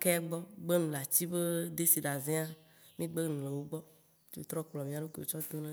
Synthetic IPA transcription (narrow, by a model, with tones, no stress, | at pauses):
ke˦a˦ɡ͡bɔ˦ɡ͡be˦nũ˨la˨t͡ɕi˦be˦d̪e˦si˨ɖa˨zẽ˦a˦ | mĩ˦ɡ͡be˦nũ˨le˨wo˦ɡ͡bɔ˦ | t͡ʃo̰˦t̪ɾɔ˦k͡plɔ˨mĩ˦a˨ɖo˦ke˨o˨t͡ʃɔ˦d̪o˦nẽ˦